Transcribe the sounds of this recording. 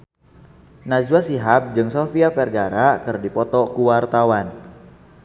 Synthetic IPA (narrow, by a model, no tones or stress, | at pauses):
nad͡ʒuasiɦap̚d͡ʒɨŋsofiafɛrɡaɾakɨrdipɔt̪ɔkuwart̪awan